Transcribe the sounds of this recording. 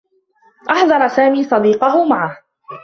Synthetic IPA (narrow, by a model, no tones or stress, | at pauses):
ʔɑħðˤɑɾˤɑsaːmiːsˤɑd̪iːqɑɦʊmaʕah